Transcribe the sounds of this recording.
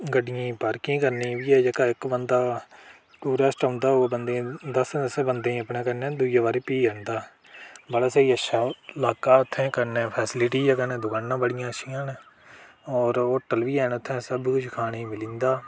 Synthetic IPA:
ɡəɖɪjĩːbəɾkĩːkəɾnĩːʋiːɛːd͡ʒəkaːɪkbənd̪aː | ʈuːɾɛːsʈaʊ̃ːnd̪aːobənd̪ẽːd̪əsnəsbənd̪ẽːəpɳẽːkəɾnẽːd̪ud͡ʒeːbaːɾiːpiːɦɛːɳd̪aː | bəɽaːseːiːəʃʰaːlaːkaːʊt̪ʰːẽːkəɾnẽːpʰɛːsɪlɪʈiːd͡ʒaːkənẽːd̪ʊkaːnːãːbəɽɪjãːəʃiːãːneː | ɔːɾoːʈːəlʋiːɛːnːʊt̪ʰːẽːsəbkʊt͡ʃʰkʰaːneːmɪlĩːnd̪aː

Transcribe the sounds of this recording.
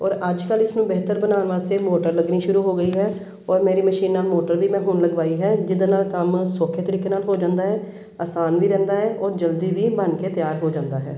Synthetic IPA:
ɔːɾəd͡ʒkəlɪsnũːbeːt̪əɾbənaːnʋaːst̪eːmoːʈəɾləɡniːʃʊɾuːɦoːɡəiːɦɛː | ɔːɾmeːɾiːməʃiːnːaːlmoːʈəɾʋiːmɛ̃ːɦʊɳləɡʋaːiːɦɛːd͡ʒɪd̪əːnaːlkəmsoːkʰeːt̪əɾiːkeːnaːlɦoːd͡ʒãːnd̪aːɦɛː | aːsaːnʋiːɾɛ̃ːnd̪aːɦɛːʔɔːɾd͡ʒəld̪iːʋiːbənkeːt̪jaːɾɦoːd͡ʒãːnd̪aːɦɛ̰ː

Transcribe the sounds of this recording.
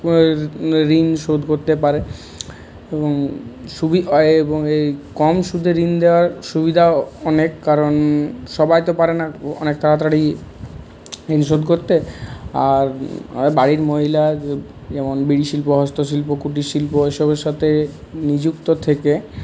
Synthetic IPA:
ɾinʃod̪ʱkoɾt̪epaɾe | eboŋʃubieboŋejkɔmʃud̪ʱeɾind̪eoaɾʃubid̪ʱaɔnekːaɾonʃɔbajt̪opaɾenaɔ̰nek̚t̪ʰaɾat̪ɾaɽi | ɾinʃ̬od̪ʱkoɾt̪eaɾbaɽiɾmoɦila | d͡ʑɛmonbiɽiʃilpoɦɔst̪oʃ̬ilpokuʈ̬iʃilpoɦeʃɔbeɾʃat̪ʰe | nid͡ʑukt̪ot̪ʰeke

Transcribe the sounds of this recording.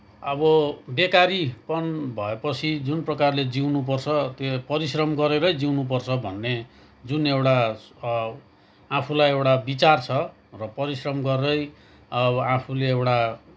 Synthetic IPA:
ʌbʌbekaɾipʌnbʱʌepʌt͡sʰid͡zunprʌkarled͡ziwnup̬ʌrt͡sʰʌt̪epʌɾisrʌmɡʌɾeɾʌjd͡ziwnup̬ʌrt͡sʰʌbʱʌnːe | d͡zunewʈa | apʰulajewʈabit͡sart͡sʰʌ | rʌpʌɾisrʌmɡʌrʌj | ʌapʰuleewʈa

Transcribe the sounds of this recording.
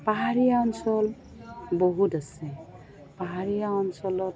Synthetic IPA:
paɦaɹijaɔnsɔl | bɔɦutasɛ | paɦaɹijaɔnsɔlɔt

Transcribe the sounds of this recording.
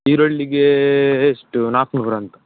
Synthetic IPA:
iɾoɭːiɡeeʂʈnaːknubɾɐnt̪ɐ̥

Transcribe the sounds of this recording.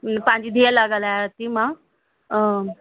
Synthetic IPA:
pãɲd͡ʑid̪ʱialaɡəlat̪imã

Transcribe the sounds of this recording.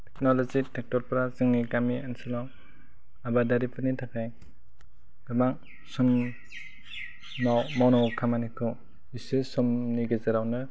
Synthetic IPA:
tʰɛknɔlɔzitʰɛk̚tɔɾpɾazɯŋniɡamiansɯlɔw | abadaɾipʰɯnitʰakʰaj | ɡamaŋ | sɔm | nawmawnɔwkʰamanikʰɔ | isɯsɔmniɡezaɾawnɯ

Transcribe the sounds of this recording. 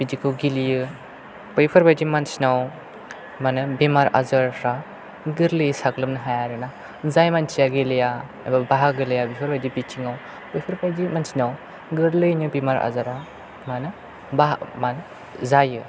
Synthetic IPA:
bid͡ʒikʰɯwɡilijɯ | pɯjpʰɯɾbajdimansinaw | manɯbimaɾa̰zaɾɾa | ɡɯɾlɯjsaɡlɯmnɯɦajaɾɯna | zajmant͡ʃijaɡileja | a̰jbabaɦaɡɯlejabipʰɯɾbajdibitʰiŋaw | pɯjpʰɯɾbajdimansinaw | ɡɯɾlɯjnɯbimaɾa̰zaɾa | manɯ | baa̰manɯ | zajɯ

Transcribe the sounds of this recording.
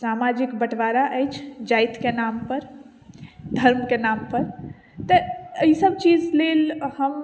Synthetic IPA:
samad͡ʒikbəʈʋaɾaʔəjt͡ʃʰd͡ʒajt̪kenampəɾ | d̪ʱəɾmkenampəɾ | t̪əisəb̚t͡ʃid͡ʒlelhəm

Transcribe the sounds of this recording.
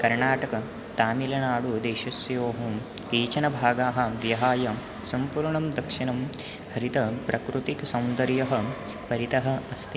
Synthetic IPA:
kɐɾɳaːʈɐkɐ | t̪aːmilɐnaːɽud̪eːʃɐsjoːɦɐ | kiːt͡ʃɐnɐbʱaːɡaːɦɐ̆ʋjɐɦaːjɐ | sɐmpuːɾɳɐmd̪ɐkʂinɐm | hɐɾit̪ɐpɾʔɐkɾut̪iksɐwnd̪ɐɾjɐɦɐ̆ | pɐɾit̪ɐɦɐ̆ɐst̪ʰi

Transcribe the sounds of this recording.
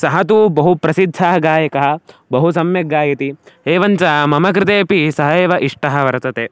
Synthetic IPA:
sɐɦɐt̪̬ubɐɦupɾɐsid̪ʱːaːɦɐɡaːjɐkɐɦɐ̆bɐɦus̬ɐmjɐɡaːjɐt̪ieːʋɐɲt͡ʃɐmɐmɐk̬ɾɪt̪eːpisɐɦɐeːʋɐʔiʂʈɐɦɐʋɐɾɐt̪ɐt̪eː

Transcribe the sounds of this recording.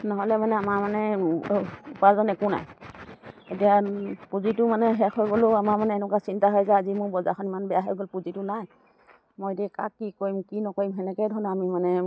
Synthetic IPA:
nɔɦɔlɛmanɛamaɹmanɛ | upazɔnɛkʊna̰j | etijapuzitʊmanɛɦɛkɔjɡolʊamaɹmanɛːnɔkasintaɦɔjzɛazimʊɹbɔza̰xʰɔnimanbɛjaɦɔjɡolpuzitʊnaj | mojdika̰kːikoimkinɔkoɹimɦɛnɛkɛjdʱɔɹnɔamimanɛ

